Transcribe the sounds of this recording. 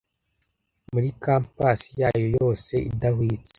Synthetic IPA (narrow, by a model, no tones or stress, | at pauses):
muɾikaːmpasijaːjo̞jo̞ːse̞ʔḭdahwit͡se̥